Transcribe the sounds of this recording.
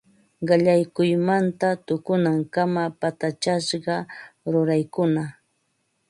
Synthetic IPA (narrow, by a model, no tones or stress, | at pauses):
ɢɑʎajkʊjmant̪at̪ʊkʊnaŋkamapat̪at͡ʃaʃɢɑɾʊɾajkʊna